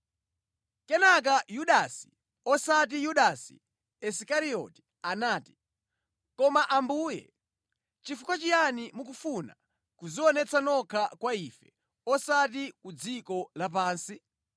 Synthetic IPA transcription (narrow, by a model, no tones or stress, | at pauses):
kɛnak̬ajuɗasi̥ | ɔsat̬ijuɗasi̥̰ | ɛsikaɾiɔ̰ti̥ | anaːti̥ | kɔmaʔambuːjɛ̰ | t͡ʃifukwat͡ʃijanimuk̬ufuna̰ | kuziɔnɛt͡sʰanɔkʰakwaifɛ | ɔsatikud͡zikɔlap̬aːnsi